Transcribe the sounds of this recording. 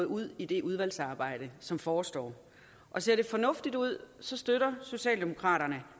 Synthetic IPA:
ð̩ˠuð̞̰ˠid̥e̝ʔuð̞ˠʋæl̰sɑ̈ːb̥ɑ̈ɪ̰ɾ̥əsɒ̽mfɒːsd̥ɒ̰ː | ʔɒ̽se̝ɐde̝fɒ̽nɔ̽fd̥id̥uð̞̰ˠsɒ̽sd̥øɾɐso̝ɕɛ̰ːld̥e̝mo̝kʰʁɑ̰̈ːɾɐnə

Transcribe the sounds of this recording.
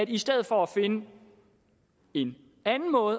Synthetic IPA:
ædisd̥eð̞̰̩ˠfɒæfe̝nə | e̝n | ænn̩mɔ̽ːð̩ˠ

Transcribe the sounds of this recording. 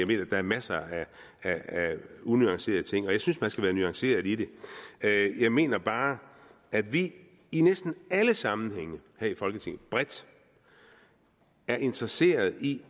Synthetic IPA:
jɑɪme̝̰ːnɐd̥ɑ̈æɐmæsɐæ | ææunyɑ̈ŋse̝̰ːɐðˠət͡sʰe̝ŋ̰ɒ̽jɑ̈ɪsynsmænsɡ̥æʋæːɐnyɑ̈ŋse̝̰ːɐðˠide̝øjɑ̈ɪme̝̰ːnɐb̥ɑ̈ː | æd̥ʋiː | nesd̥n̩æləsɑ̈mn̩heŋ̰əheɐ̰ifɒ̽lɡ̥ət͡sʰe̝ŋ̩ˠb̥ʁɛd̥ | æɐʔe̝nd̥ʁɐse̝̰ːɐð̞̩ˠi

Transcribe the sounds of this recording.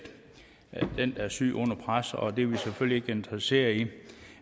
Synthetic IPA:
d̥ | d̥end̥æsy̰ːʔɔ̽n̰ɐpʰʁasɒd̥e̝ʋiseføl̰lie̝ɡ̥əe̝nd̥ʁɐse̝̰ːɐi

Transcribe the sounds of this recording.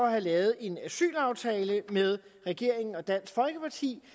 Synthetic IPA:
ɒhælɛːʊð̞̩ˠe̝næsy̰ːlɑ̈ʊt͡sʰɛːləmeð̞ˠ | ʁɛɡ̥e̝ɐ̰e̝ŋn̩ɒ̽d̥æn̰sɡ̥fɒ̽lɡ̥əpʰɑ̈t͡sʰḭː

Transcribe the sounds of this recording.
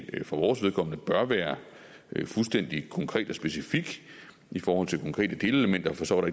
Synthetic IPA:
fɒʋɒːsʋeð̞ˠkʰɒ̽m̰nəb̥ɶɐʋæːɐ | fulsd̥en̰d̥ikʰɒ̽ŋkʰʁɛ̰ːd̥ɒ̽sb̥e̝sifiɡ̥ | ifɒːhɒ̽l̰t͡sʰekʰɒ̽ŋkʰʁɛ̰ːd̥əd̥e̝ːləeləmen̰d̥ɐfɒ̽sɒɐɾ̥ɑe

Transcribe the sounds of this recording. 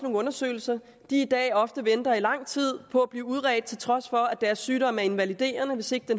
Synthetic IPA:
no̝ːŋ̩ɔ̽nɐsø̰ːl̩sɐ | d̥iːd̥ɛ̰ːɒ̽fd̥əʋend̥ɐilɑ̈ŋ̰t͡sʰið̞̰ˠpʰɒ̽æb̥liːuð̞ˠʁɛ̰ːd̥̚t͡sʰe̝lt͡sʰʁɒ̽sfɒ̽æd̥æɐsːyːɾɒ̽m̰æɐe̝nʋælid̥e̝̰ːɐnəʋe̝se̝ɡ̥̚d̥en

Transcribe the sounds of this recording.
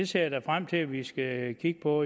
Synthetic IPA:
eseːd̥æfʁam̰t͡sʰe̝ʋisɡ̥ækʰiɡ̥̚pʰɒ̽

